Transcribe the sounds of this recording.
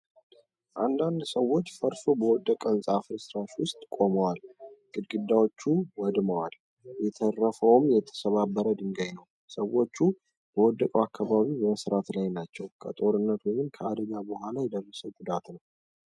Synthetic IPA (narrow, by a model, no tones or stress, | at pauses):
ʔand̪and̪səwːo̞t͡ʃːfəɾsobəwɔd̪ːəkʼənsʼafɨɾɨsɾaʃwʊst̪ʼkʼo̞məwalɡ̥ɨd̪ɡɨd̪ːawot͡ʃːuwɔd̪məwal | jɛt̪ʰərːəfəwmjɛt̪ʰːə̥səβabːəɾəd̪ɨŋɡəɲːəw | səwo̞t͡ʃːu | b̥əwɔd̪ːəkʼəwakʰːaβaβibəməsɾat̪lajnat͡ʃːɛwkʰə̰t̪ʼo̞ɾɨnːət̪wɔmɨnkʰəad̪əɡabəhʷalajɛd̪ərːəsəwɡud̪at̪nəw